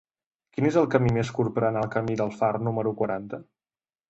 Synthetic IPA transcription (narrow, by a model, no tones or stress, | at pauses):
kinezəlˠkəmimeskuɾpɾənəlˠkəmiðəlˠfarnuməɾukwəɾant̪ə